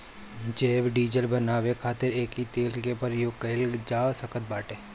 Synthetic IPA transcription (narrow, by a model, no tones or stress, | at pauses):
d͡ʒeːʋɖiːd͡ʒəlbənaːʋekʰaːt̪ɪɾeːkit̪eːlkepəɾjʊkəɪld͡ʒaːsəkət̪̚baːʈeː